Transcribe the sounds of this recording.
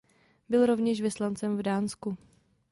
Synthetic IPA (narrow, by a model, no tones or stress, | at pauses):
bɪlɾo̞vɲɛʃvɪslant͡sɛmvdaːnsku